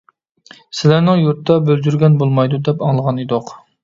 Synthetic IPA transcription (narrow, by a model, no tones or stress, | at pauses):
sɪlæɾnɪŋjuɾt̪ːd̪ɑbøld͡ʒ̪yɾɡʲɛnbolˠmɑjd̪ud̪ɛpɑŋlˠəʁɑned̪oq